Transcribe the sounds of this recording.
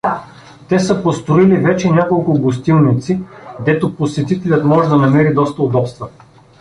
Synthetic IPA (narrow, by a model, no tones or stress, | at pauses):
t̪ɛsəpost̪ɾoilivɛt͡ʃɛnʲakolˠkʊɡost̪ilˠnit̪sid̪ɛt̪oposɛt̪it̪ɛlʲət̪mɔʒɛd̪ɐnɐmɛɾid̪ɔst̪əod̪ɔpst̪və